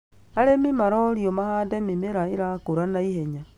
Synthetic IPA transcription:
aɾemimaɾɔɾjomahadɛmimeɾaeɾakoɾanaihɛɲa

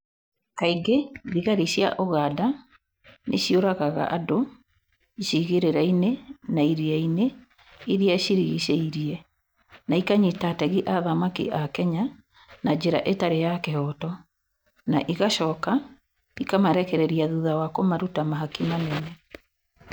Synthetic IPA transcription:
kaiɡeðiɣaɾiɕja̰ʔoɣada | nʔeɕioɾaɣaɣa̰ʔado | iɕiɣeɾeɾainenaiɾiaine | iɾiaɕiɾiɣiɕeiɾiɛ | naikaɲitatɛɣiʔaðamakḭʔakɛɲa | nad͡ʑeɾa̰ʔetaɾejakehɔtɔ | naʔiɣaʃɔːka | ikamaɾɛkɛɾɛɾiaðuðawakomaɾutamaɦakimanɛnɛ

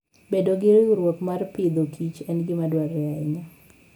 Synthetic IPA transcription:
bedoɡɪɾɾwokmarpɪd̪okʰit͡ʃɛnɡɪmadwaɾɛɛaɲa

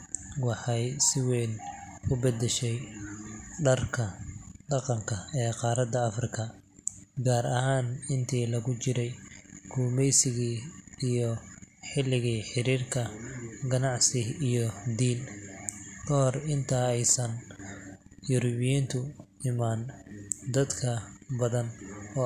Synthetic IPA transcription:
wɑħɑjsɪwɛːn | ʊbɛd̪ɛʃɛj | ɖɐrkʰɐɖɑqɑŋkʰɐɛːqɑːɾɐd̪ɐɐfrɪkʰɐ | ɡaːɾɐhaːnɪnt̪ʰiːlɐɣʊt͡ʃɪɾɛjɡʰuːmɛjsɪɣiːijɔħɪlːɪɣiːħɪɾiːrkʰɐɡɐnɑʕsɪijɔd̪iːn | kʰɔɦɔrɪnt̪ʰaɛjsɐn | jʊɾʊβɪjint̪ʰʊɪmaːnd̪ɐd̪kʰɐbɐðɐnɔː

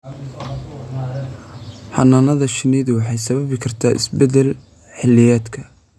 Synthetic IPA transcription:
ħɑ̰nɐnɐðɐʃɪniːðwɑħɑjsɐβɐβɪkʰɐrt̪ʰaːʔɪ̰sbɛd̪ɛl | ħɪlːɪjaːd̪kʰɐ

